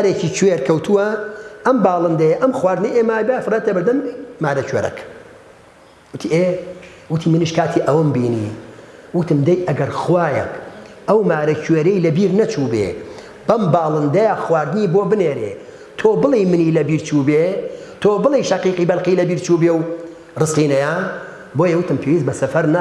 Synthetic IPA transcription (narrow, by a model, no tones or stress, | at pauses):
aɾeːt͡ʃiːt͡ʃʰweːɾkʰɐwt̪ʰuwɐʔɐmbaːlˠɨnd̪ɐjɐʔɐmxwaːɾd̪ɨnɐjʔeːmaːjbajafɨrˤaːt̪ɐbɨɾd̪ɐmːaːɾɐt͡ʃwḛːɾɐ̰k | wɨt̪ʰiːʔe | wɨt̪ʰiːmɨniʃkʰaːt̪ʰiːʔɐwɐmbiːnḭwɨt̪ɨmd̪ɐjʔɐɡɐɾxwaːjɐ̰kʔɐwmaːɾɐt͡ʃʰweːɾɐjlɐbiːɾnɐt͡ʃʰuːbḛ | b̥ɐmbaːlˠɨnd̪ɐjaxwaːɾd̪niːboːbɨneːɾḛː | t̪ʰoːbɨlˠijmɨniːlɐbiːɾt͡ʃʰuːbet̪ʰoːbɨlˠijʃɐqiːqiːbɐlqiːlɐbiːɾt͡ʃuːbeːw | rɨsqiːnɐjaːn | boːjɐwɨt̪ɨmpʰewiːzbɐsɐfɐɾna